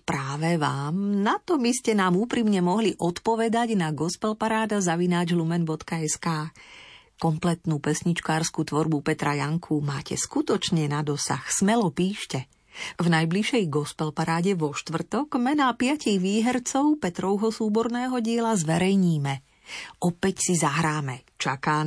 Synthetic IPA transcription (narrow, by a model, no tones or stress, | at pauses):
pɾaːʋɛʋaːmnat̪ɔbiscɛnaːmuːpɾimɲɛmɔɦliʔɔt̪pɔʋɛd̪aɟnaɡɔspɛlpaɾaːd̪azaʋinaːd͡ʒɦlumɛnbɔt̪kaɛskaː | kɔmplɛt̪nuːpɛsɲit͡ʃkaːɾskut̪ʋɔɾbupɛt̪ɾajaŋkʰumaːcʰɛ̰skut̪ɔt͡ʃɲɛnad̪ɔsa̰xsmɛlɔpiːʃcɛ | vnajbliʃɛjɡɔspɛlpaɾaːɟɛʋɔʃt̪ʋr̩t̪ɔɡ̥mɛnaːpɪaciɣʋiːɦɛɾt͡sɔʊpɛt̪ɾɔʊɦɔsuːbɔɾnɛːɦɔɟɪɛlazʋɛɾɛjɲiːmɛ | ʔɔpɛcsizaɦɾaːmɛ | t͡ʃakaː